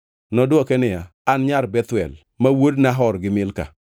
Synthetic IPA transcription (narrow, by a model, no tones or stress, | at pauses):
nɔdwɔkɛnɪjaːnɲaɾbɛt̪wɛ̰l | mawodnaɦɔɾɡɪmɪlka̰